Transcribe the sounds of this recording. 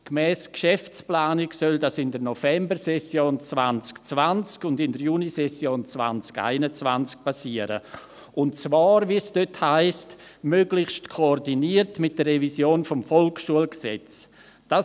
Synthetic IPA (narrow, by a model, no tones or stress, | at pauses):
kmɛːskʃɛft͡splaːniksœldasɪndənɔfɛmbəɾsɛsjoːnt͡sva̰nt͡skt͡svant͡skʊndɪndəɾjunisɛsjoːnt͡sva̰nt͡ska̰ɪnət͡sva̰nt͡sk̚pʰasiəɾə̰ | ʔʊntt͡svaːɾvisd̥øthaɪst | møːɡlɪçʃtkʰoːrdiniərtmɪt̚d̥ərːɛvisjoːnfɔmfɔlkʃuəlksɛ̰t͡s | d̥a